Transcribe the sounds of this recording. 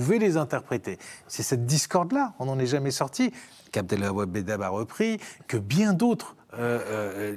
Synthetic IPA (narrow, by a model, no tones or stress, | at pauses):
uvɛlezɛ̃t̪ɛʁpχet̪esɛsɛt̪̚d̪iskɔʁd̪laɔ̃nɑ̃nɛʒamɛsɔʁt̪i | kap̚d̪ɛlababed̪abaʁəpχikəbjɛ̃d̪ot̪χ | ø